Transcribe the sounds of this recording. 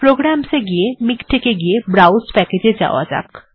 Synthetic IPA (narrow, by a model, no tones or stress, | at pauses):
pɾoːɡɾaːmseɡiemɪkʈʰekeɡiebɾaːwʊspɛːked͡ʒed͡ʒa̰ːwa̰d͡ʒa̰k